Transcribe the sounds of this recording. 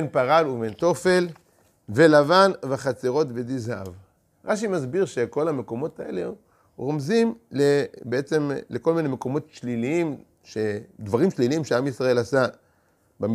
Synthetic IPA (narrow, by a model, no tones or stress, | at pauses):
enpaʁaluvent̪o̞fe̞l | velavanvχat͡seʁo̞tvedizav | ʁaʃ̬imazbiʁʃe̞ko̞lame̞ko̞mo̞t̪aʔe̞̰le | ʁomzimlebeet͡se̞mleko̞lminemeko̞mo̞tʃliliim | ʃed̪vaʁimʃliliimʃeamisʁae̞lasa | bam